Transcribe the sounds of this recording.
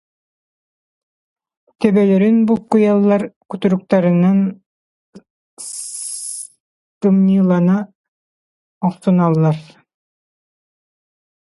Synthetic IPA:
t̪œbœlœɾynbulˠkujalˠːaɾkyt̪yɾyk̚t̪ɑɾɯnan | s | t̪ɯmnɯlˠɑna | ɔqsunɑlˠːaɾ

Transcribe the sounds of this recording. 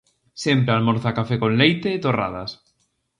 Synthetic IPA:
sjempɾealmoɾθakafekõnlejt̪eːt̪ora̰ða̰s

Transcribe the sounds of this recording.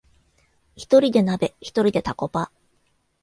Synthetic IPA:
çi̥t̪o̞ɾʲid̪e̞nabe̞çi̥t̪o̞ɾʲid̪e̞t̪ako̞pa

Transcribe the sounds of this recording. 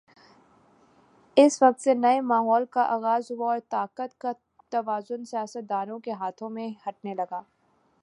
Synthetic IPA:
ɪsʋɐq̚t̪senɐemaːɦɔːlkaʔaːɣaːzɦʊwaɔːɾt̪aːqət̪ka | t̪ɐʋaːzʊnsijaːsət̪̚d̪aːɾõkeɦaːt̪ʰõmẽhɐʈ̚nelɐɡaː

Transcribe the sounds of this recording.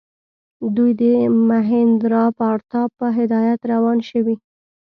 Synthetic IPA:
d̪ujd̪əmaɦɪnd̪ɾɑpaɾt̪ɑbpːəɦɪd̪ɑjat̪ɾawɑnʃəwi

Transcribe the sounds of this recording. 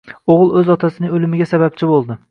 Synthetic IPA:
oʁɨlˠɵzɒt̪ʰasɪnɪŋɵlɪmɪɡʲasabap̚t͡ʃʰɪbolˠd̪ɪ

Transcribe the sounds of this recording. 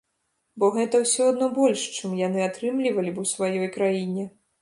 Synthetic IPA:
bɔɣɛt̪ɐwsʲɔad̪nɔbɔlʲʂt͡ʂɨmjanɨat̪ɾɨmlʲivɐlʲibusvajɔjkɾajinʲɛ

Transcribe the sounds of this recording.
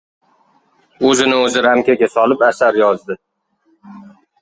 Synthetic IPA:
ɵzɪnɪɵzɪɾamkʲaɡʲasɒlɪpasaɾjɒzd̪ɪ

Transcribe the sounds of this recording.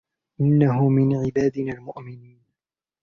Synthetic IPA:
ʔɪnːaɦʊmɪnʕɪbaːd̪ɪnaːlmʊʔmɪniːn

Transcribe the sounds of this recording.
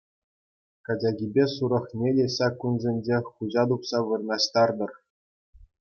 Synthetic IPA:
kɑd͡ʑʲɑɡʲibʲesuɾɤ̆χnʲedʲeɕɑkːunzʲenʲd͡ʑeχuʑɑd̪upsɑʋɯrnɑɕt̪ɑrd̪ɤ̆r

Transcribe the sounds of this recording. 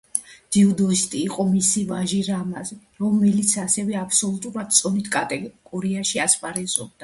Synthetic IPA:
d̪̥iɔd̪ɔist̪ʼiːqʼɔmisivaʒiɾamazɛ | ɾɔmɛlit̪sʰasɛvɛapʰsɔlˠut̪ʼuɾad̪̚t̪sʼɔnit̪ʰkʼt̪ʼɛɡ̥ʼɔɾiaʃiaspʼaɾɛzɔb̚d̪a

